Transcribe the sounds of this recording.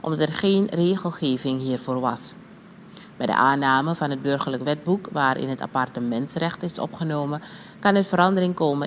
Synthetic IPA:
ʔɔmdɑtɛrχeːnreːχəlˠχeːvɪŋɦiːrvoːrʋɑ̰s | bɛjdə̰ʔaːnaːməvɑnɦəd̚bɵrχərləkʋɛd̚bukʋaːɾʔɪ̰nɦəta̰pɑrtəmɛntsrɛχtɪsɔ̰pχənoːmə | kɑnəvəɾɑndərɪŋkoːmə

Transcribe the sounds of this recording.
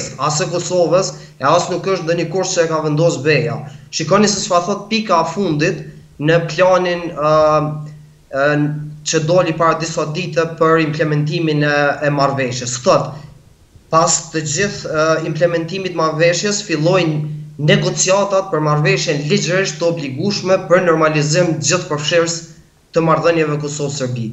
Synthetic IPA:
sasɛkɔsɔvəs | ɛasnukəʃt̪nðəɲəkuɾt͡ɕəɛkavɛnd̪ɔsbɛjaʃikɔnisɛsfaθɔt̪̚pikaɛfund̪it̪ | nəplanin | t͡ɕəd̪ɔlipaɾad̪isad̪it̪ɛpəɾimplɛmɛnt̪iminɛɛmaɾvɛʃjɛsθat̪ | past̪əd͡ʑiθimplɛmɛnt̪imit̪maɾvɛʃjɛsfilˠɔjnnɛɡɔt͡siat̪at̪̚pəɾmaɾvɛʃjɛnlid͡ʑɾiʃt̪əɔbliɡuʃmɛpəɾnɔɾmalizimd͡ʑiθpəɾfʃiɾs | t̪əmaɾðənjɛvɛkɔsɔvsəɾbi

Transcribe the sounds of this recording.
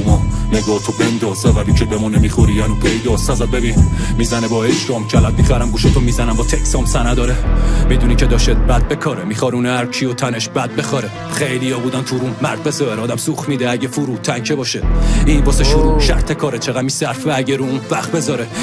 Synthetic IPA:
umɔneɡɒːht̪ʰobend̪ɒːzevæbit͡ʃʰebemunemixoɾijænipʰejd̪ɒsnæzæd̪̚bebinmiːzænebɒeʃt̪ɒmt͡ʃʰælæd̪̚mixæɾæmɡuːʃet̪ʰomiːzænæmbɒt̪ʰeksɒmsænæd̪ɒːɾemid̪unicʰed̪ɒːʃed̪̚bæd̪̚bekʰɒːɾemixɒɾuneæɾt͡ʃʰiot̪ʰæneʃbæd̪̚bexɒɾe | χejlijɒbuːd̪ænt̪ʰuɾummæɾd̪̚bezɒɾeɾɒːd̪æmsuxmid̪eæɟefuɾuːt̪ʰæŋcʰebɒːʃeiːnbɒːseʃuɾuʃæɾt̪ʰekʰɒːɾet͡ʃʰeɣæmisæɾfeæɟeɾuunvæχt̪̚bezɒɾe

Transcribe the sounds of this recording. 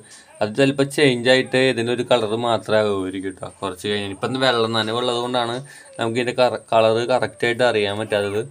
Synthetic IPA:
ɐðitɐlpːɐt͡ɕejɲd͡ʑaːjiʈːɨeðindeo̞ɾukɐɭɐrɨmaːt̪rɐmaːɣɐoːɾikʲːiʈːa̰ːkurɐt͡ɕːɨkɐɾiɲːaːnipːonːɨʋeɭːɐnːaːneuɭːɐðuɣo̞ɳɖaːɳɨ | nɐ̰muk̬ːinde̞kɐkɐɭɐrɨkɐrɐktaːjiʈ̬ːɨɐrijaːmpɐtːaːðɐðɨ

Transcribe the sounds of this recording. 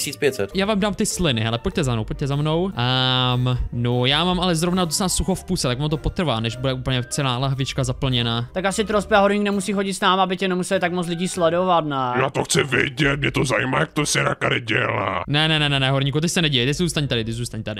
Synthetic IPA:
siːt͡spjɛt̪sɛt̪jaːvaːmdaːmt̪ɪslɪnɪɦɛlɛpoc̚t̪ɛzamnowpoc̚t̪ɛzamno̞wəmnojaːmaːmalɛzɾovnaot̪̬osaːsuxofpuːsɛt̪akvaːmt̪̬opot̪r̩vaːnɛʃbudɛʔupl̩ɲɛt͡sɛlaːlaɦavɪt͡ʃkazapl̩ɲɛnaːt̪akasɪt̪ɾospɛaɦoɾɲiknɛmusiːxoɟɪt̪snaːmaabɪcɛnɛmusɛlɪt̪akmot͡s̬lɪɟiːslɛdovat̪najaːt̪oxt͡sɪvɪ̰ɟɛt̪mɲɛt̪ozajḭma̰ːjak̚t̪osɪɾa̰kaɾɪɟɛ̰la̰ːnɛnɛnɛnɛnɛɦoɾɲikut̪ɪsɛnɛɟivɛjt̪ɛsɛzuːst̪aɲt̪adɪt̪ɪzuːst̪aɲt̪adɪ

